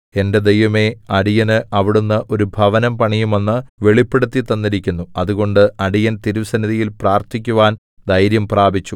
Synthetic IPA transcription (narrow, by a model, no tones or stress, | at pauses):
e̞nde̞d̪ejʋɐme̞ɐɽijɐnɨɐʋiɽunːɐʔo̞ɾubʱɐʋɐnɐmpɐɳijume̞nːɨʋe̞ɭipːe̞ɽut̪ːit̪ːɐnːiɾikʲːunːuɐðuɣo̞ɳɖɨɐɽijɐnt̪iɾusɐniðijilpraːrt̪ʰikʲːuʋaːn | d̪ʱɐjɾjɐmpraːbʱit͡ɕːu